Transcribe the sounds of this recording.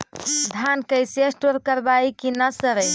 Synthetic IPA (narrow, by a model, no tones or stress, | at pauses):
d̪ʱankəjsesʈoɾkəɾbaikinasəɾəj